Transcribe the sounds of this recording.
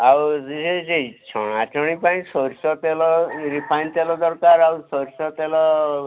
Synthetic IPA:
awzised͡ʒeit͡ʃʰɔɽ̃at͡ʃɔɽ̃ipaĩsɔɾsɔt̪elɔɾipʰajnt̪elɔd̪ɔɾkaɾawsɔɾsɔt̪elɔ

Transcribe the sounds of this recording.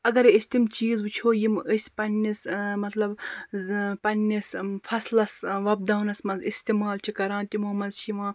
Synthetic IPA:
ɐɡɐɾisʲt̪ʲimt͡ʃiːzbɨt͡ʃʰoːjiməsʲpɐnʲːismɐt̪lɐb | pɐnːisfʰɐslɐsʋɐb̚d̪ɐɦunɐsmɐzist̪imaːlt͡ʃʰikɐɾãːnt̪ʲimuɐmɐzʃiʋãː

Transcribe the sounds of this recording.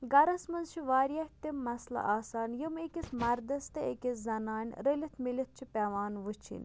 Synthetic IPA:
ɡɐɾɐsmɐnzt͡ʃʰiʋaːɾjɐht̪immːɐslɐ̰ʔaːsaːnjəmekʲismɐɾd̪ɐst̪ɐekʲeszɐnaːnʲɾəlʲit̪ʰmilʲit̪̚t͡ʃʰipʲɛːʋaːnʋɨt͡ʃʰḭnʲ

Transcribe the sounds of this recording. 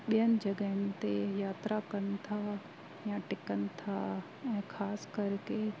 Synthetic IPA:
ɓijənɪ̆d͡ʒɐɡəɪnt̪ejaːt̪ɾakənɪt̪ʰa | jãʈɪkənɪ̆t̪ʰa̰ | ɛ̃ːkʰaːskɐɾke

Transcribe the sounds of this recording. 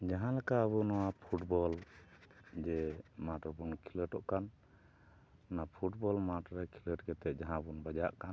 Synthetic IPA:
d͡ʒaɦãlɛkaəβunɔwapʰuʈbɔl | d͡ʒɛmaʈɔbunkʰiləʈɔʔkan | napʰuʈbɔlmaʈɾɛkʰiləʈɡɛt̪ɛʔ̚d͡ʒaɦãbunbad͡ʒaʔkan

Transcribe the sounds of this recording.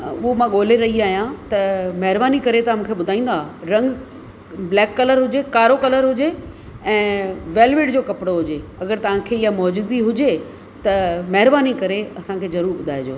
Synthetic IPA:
ʊɦomãːɠoːl̤eɾɐɦiaːɦijãt̪ɐmɐɦɪɾbaːnikɐɾet̪ɐmũːkʰeɓʊd̪ʱaːĩːn̆d̪aːɾɐ̃ŋɡ | blɛːkːɐləɾɦʊd͡ʑekaːɾokɐləɾɦʊd͡ʑe | ɛ̃ːʋeːlʋɪʈd͡ʑoːkɐpɪɽoɦʊd͡ʑeɐɡəɾt̪ɐʋ̤ãkʰeːɪjamɔːd͡ʑuːd̪iɦʊd͡ʑe | t̪ɐmɐɦɪɾbaːnikɐɾeɐsãkʰeːzɐɾuːɾɓʊd̪ʱaːɪd͡ʑo̰ː

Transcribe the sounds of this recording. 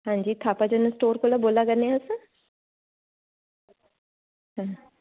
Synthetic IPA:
ɦãːɲd͡ʒiːt̪ʰaːpad͡ʒonəsʈoːɾkoːlaboːlakəɾneaʊs | ɦãː

